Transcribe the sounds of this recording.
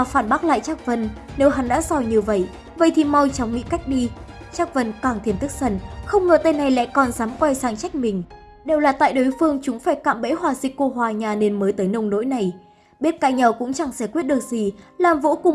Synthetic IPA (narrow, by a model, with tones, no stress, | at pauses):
aː˨˩faː˧˩nɓaː˦˥k̚la̰ː˧˨jt͡ɕaː˦˥k̚və˨˩nne˨˦wɦa˨˦nɗa̰ː˧˥zɔ˧˩ɲɨ˧və̰˧˨j | və̰˧˨jt̪ʰi˨˩mɔ˧wjt͡ɕɔ˨˦wŋ͡mŋḭ˧˥ka˦˥jk̟̚ɗi˧ | t͡ɕaː˦˥k̚və˨˩nkaː˨˧˩ŋt̪ʰi˧˩ənt̪ɨ˦˥k̚sə˧˩nxə˧wŋ͡mŋəː˨˩t̪ə˧jna˨˩jla̰˧˥˨kɔ˨˩nzaː˨˦mkwɛ˧jsaː˨˩ŋt͡ɕa˦˥jk̚mï˨˩ŋ̟ | ɗe˨˩wlaː˨˩t̪a̰ː˧˨jɗo˨˦jfɨ˧əŋt͡ɕʊ˨˦ŋ͡mfaː˧˩jka̰ː˧˨mɓḛ˧˥jhwaː˨˩zï˨˩k̟ko˧ɦwaː˨˩ɲaː˨˩ne˧nməː˨˦jt̪əː˨˦jnə˧wŋ͡mno̰˧˥jna˨˩j | ɓi˦˥ət̚kaː˧jɲa˨˩wkʊ̰˧˥ŋ͡mt͡ɕa˧˩ŋsɛ˧˩kwt̚ɗɨ˨˩ək̚zi˨˩laː˨˩mvo̰˧˥kʊ˨˩ŋ͡m